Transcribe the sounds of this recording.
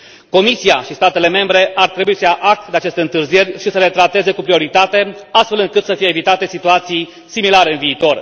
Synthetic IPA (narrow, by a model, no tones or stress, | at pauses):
ko̞misijaʃist̪at̪e̞le̞me̞mbɾe̞ʔart̪ɾe̞buisəaʔakd̪eat͡ʃe̞st̪e̞ɨnt̪ɨrzije̞rʲʃisəle̞t̪ɾat̪e̞ze̞kupɾio̞ɾit̪at̪e̞ast̪fe̞lɨŋkɨt̪səfije̞ːvit̪at̪e̞sit̪uat̪sij | similaɾe̞ɨnviːt̪o̞r